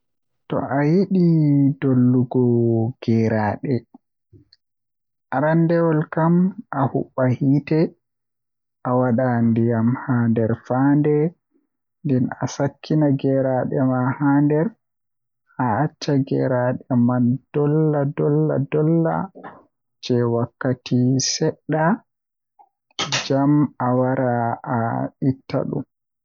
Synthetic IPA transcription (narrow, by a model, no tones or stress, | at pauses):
tɔ̰ʔajiɗidolːuɡɔɡ̥ɛɾaɗɛ | ʔaɾandɛwɔlkamʔahṵɓːahiːtɛ | ʔawaɗandijamhaːndɛɾfaːndɛ | ndɛna̰sakʰːinaɡɛɾaɗɛmahaːndɛɾ | aat͡ʃːaɡɛ̰ɾaɗɛmand̥ɔlːadɔlːa̰dɔlːa̰ | d͡ʒɛwakːatisɛɗːa | d͡ʒamawaɾaː | itːa̰ɗṵm